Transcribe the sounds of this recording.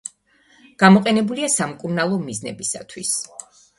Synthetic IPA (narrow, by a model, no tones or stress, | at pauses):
ɡ̥amɔqʼɛnɛbuliasamkʼuɾnalˠɔmiznɛ̰bisa̰t̪ʰwis